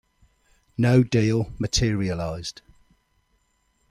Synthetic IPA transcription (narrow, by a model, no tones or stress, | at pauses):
nəʊdiːlˠmətʰɪəɹiəlaɪz̥d̥